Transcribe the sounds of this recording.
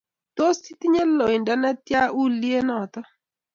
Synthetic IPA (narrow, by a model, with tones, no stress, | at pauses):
to˦si˦ti˦ɲe˦lɔ˨ɪ˨nda˦na˦tja˦u˦li˦e˦nɔ˨t̪ɔ˦